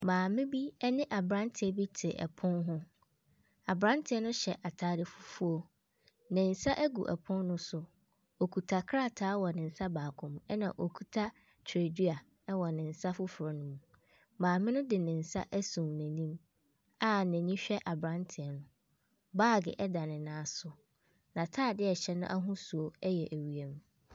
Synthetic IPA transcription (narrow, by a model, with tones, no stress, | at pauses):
mãː˨mɪ̃˦bi˦ɛ˦nɪ̃˦ʔa˨bɾã˦ntʰɪ˨ɛ˦bi˦tʰɪ˨ʔɛ̰˨pʰʊ̃˦nɦʊ̃˦ | a˨bɾã˦ntʰɪ˨˦ɛ˦nʊ̃˦ɕɛ˨ʔa˨tʰaː˨dɪ˨fʊ̥˦fu˦o˦ | nɪ̃˨n̩˨sa˦ʔæ˦ɡṵ˨ʔɛ̰˨pʰʊ̃˦nːʊ̃˦sʊ˨ | o˨kʰu˨tʰa˨kʰɾa˦˨tʰaː˨˦wɔ˨nɪ̃˨n̩˨sa˦baː˨kʰʊ̃˨mɛ˦nã̰˨ʔo˨kʰu˨tʰa˦ | tʰɾe˨dɥa˨ | ɛ˦wɔ˨nɪ̃˨n̩˨sa˦fʊ˦fʊ˨ɾɔ˨nʊ̃˦mũ˨ | mãː˨mɪ̃˦nʊ̃˦dɪ˨nɪ̃˨n̩˨sa̰˦ʔæ˦sõ˨mnæ̃˨nĩ˦m | a˦nɛ̃˨nĩ˦ɕᶣɛ˦ʔa˨bɾã˦ntʰɪ˨ɛ˨nʊ̃˨ | baː˦˨ɡɪ̰˨ʔɛ˦da˨nɪ̃˨nãː˨˦sʊ˨ | nã˨tʰaː˦˨dɪ˦ɛ˨ɕɛ˨nʊ̰̃˦ʔa˦ɦũ˦su˨o˨ɛ˦jɛ˨ʔæ˨ɥi˨e˦m